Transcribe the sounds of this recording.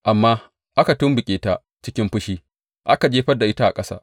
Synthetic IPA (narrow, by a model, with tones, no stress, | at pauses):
ʔa˨mːaː˦ | ʔa˦ka˨tʊ˦mbɪ˨kʲʼeː˨ta˦ | t͡ʃɪ˦kʲɪ˦mɸʊ˦ʃiː˦ | ʔa˦ka˨d͡ʒeː˦ɸɐ˦da˨ʔɪ˦ta˦ʔa˨kʼɐ˦sa̰ː˦ʔ